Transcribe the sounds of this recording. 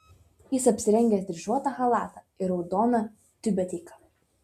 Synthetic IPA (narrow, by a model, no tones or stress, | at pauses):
jɪsɐpʲsʲɪɾʲɛŋʲɡʲɛsd̪ʲɾʲɪʒuɔt̪ɐxɐlˠɑːt̪ɐ | ɪɾɒʊd̪ɔːnɐ | t̪ʲʊbʲɛt̪ʲɛːkɐ̥